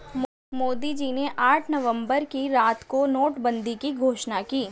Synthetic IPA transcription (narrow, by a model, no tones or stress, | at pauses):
moːd̪id͡ʒineʔaːʈʰnɐʋə̃mbəɾkiɾaːt̪konoːʈbə̃nd̪ikiɡʱoːʃnakiː